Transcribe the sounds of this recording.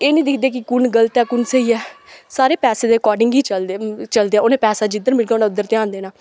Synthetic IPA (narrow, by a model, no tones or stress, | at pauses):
eːnĩːd̪ɪkʰd̪eːk̬ɪkʊnɡələt̪ɛːkʊnseːiːɛːsaːɾeːpɛːseːd̪eːkɔːɖɪŋɡiːəlt͡ʃəld̪eːɛːoːnẽːpɛːsaːd͡ʒɪd̪ənmɪlɡaoːnaːʊd̪ːəɾt̪eãːnd̪eːnaː